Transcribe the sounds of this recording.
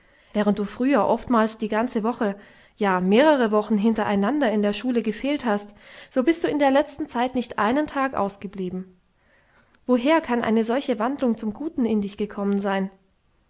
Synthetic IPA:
vɛːʁ̞əntd̥uːfʁ̥yːɐʔɔftmaːlsd̥iːɡant͡səvɔχə | jaːmeːʁəʁ̞əvɔχn̩ɦɪntɐʔaɪnandɐɪndeːɐʃuːləɡəfeːlthastz̥oːbɪst̚d̥uːɪndeːɐlɛt͡stn̩t͡saɪtnɪçtʔa̰ɪnəntʰaːkʔa̰ʊsɡ̥əbliːbm̩ | voɦeːɐkʰanʔa̰ɪnəzɔlçəvandlʊŋt͡sʊmɡuːtn̩ɪndɪçɡ̥əkʰɔmənzaɪn

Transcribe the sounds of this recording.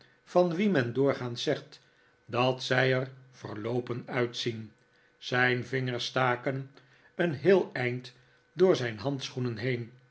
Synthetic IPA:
fɑnʋimɛndʊːɹχaːntsɛχt | dɑtsɛjərv̥ərlowpənœɥtsin | z̥ɛjnvɪŋəɹstaːkən | ənɦɪːlˠɛjnt | dʊːɹzɛjnɦɑntsχunənɦejn

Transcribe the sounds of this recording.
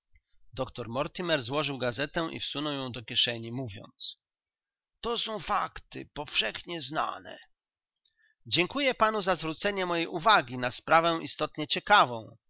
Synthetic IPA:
d̪ɔkt̪ɔɾmɔɾt̪imɛɾzwɔʐɘwɡazɛt̪ɛʔḭfsunɔwjɔ̃w̃d̪ɔkʲjɛʂɛɲimuvʲjɔ̰nt̪s | t̪ɔsɔ̃w̃fakt̪ɘ̰pɔfʂɛxɲɛzna̰nɛ̰ | d͡ʑɛŋkujɛpan̪uzazvɾut̪sɛɲɛmɔjejʔuvaɡʲinaspɾavɛ̃ʔist̪ɔt̪ɲɛt͡ɕɛkavɔ̃w̃

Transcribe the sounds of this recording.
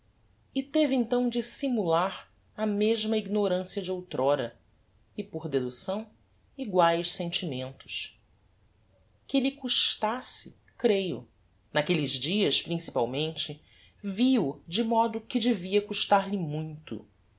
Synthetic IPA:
ɪt̪evɪẽnt̪ɐ̃w̃d͡ʒɪsimulaɾ | ɐmeʒmɐiɡnoɾɐ̃siɐd͡ʒɪowt̪ɾɔɾɐ | ɪpoɾd̪ed̪usɐ̃w̃ | iɡwajʃsẽnt͡ʃimẽnt̪ʊ̥ʃ | kɪlikuʃt̪asɪ | kɾejʊ̰ | nakelɪʒd͡ʒiɐʃpɾĩsipawmẽnt͡ʃɪ | viʊd͡ʒɪmɔd̪ʊkɪd͡ʒɪviɐkuʃt̪aɾlɪmũj̃t̪ʊ̰

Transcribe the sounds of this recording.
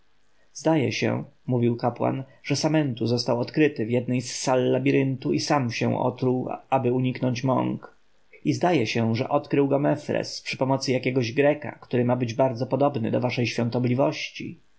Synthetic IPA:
zd̪ajɛ̰ɕɛ̰̃muvʲiwkapwa̰n | ʐ̥ɛsamɛnt̪uzɔst̪awɔt̪kɾɘt̪ɘvjɛd̪nɛjsːalːabʲiɾɘnt̪uisamɕɛ̰̃w̃ʔɔ̰t̪ɾuwabɘuɲiknɔɲt͡ɕmɔ̰ŋk | izd̪ajɛɕɛʐɛ̰ʔɔt̪kɾɘwɡɔmɛfɾɛ̰spʂɘ̥pɔmɔt̪sɘjakʲɛɡɔʑɡɾɛka̰kt̪uɾɘmabɘd͡ʑbaɾd̪zɔpɔd̪ɔbnɘ̰d̪ɔvaʂɛjɕfʲɔ̃nt̪ɔblʲivɔɕt͡ɕḭ

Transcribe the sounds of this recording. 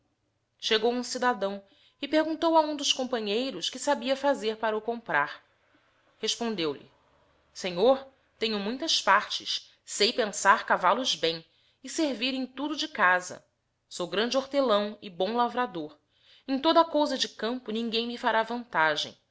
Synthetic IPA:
ʃeɡowũsid̪ad̪ɐ̃w̃ | ɪpeɾɡũnt̪owɐũd̪ʊʃkõpɐ̃ɲejɾʊʃkɪsabiɐfazeɾpaɾɐukõmpɾaɾ | heʃpõnd̪ewlɪ̰ | seɲoɾ | t̪ẽɲʊmũj̃t̪ɐspaɾt͡ʃɪʃ | sejpẽsaɾkavalʊzbẽj̃ | ɪseɾviɾẽj̃t̪ud̪ʊd͡ʒɪkazɐ̰ | sowɡɾɐ̃nd͡ʒɪoɾt̪elɐ̃w̃ɪbõw̃lavɾad̪oɾ | ẽt̪od̪ɐakowzɐd͡ʒɪkɐ̃mpʊnĩŋɡẽj̃mifaɾavɐ̃nt̪aʒḛ̃j̃

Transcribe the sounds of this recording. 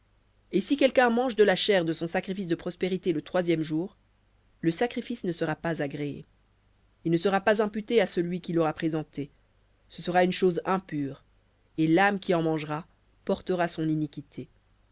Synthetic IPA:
esikʲɛlkʲɛ̃mɑ̃ʒd̪əlaʃɛʁd̪əsɔ̃sakχifis̬d̪əpχɔspeʁit̪elət̪χwazjɛmʒuːʁ | ləsakχifisnəsəʁapazaɡʁeḛ | ilnəsəʁapazɛ̃pyt̪easəlɥikʲilɔʁapχezɑ̃t̪e | səsəʁaynʃozɛ̃pyːʁ | elamkʲiɑ̃mɑ̃ʒʁa | pɔʁt̪əʁasɔ̃ninikʲit̪ʰe

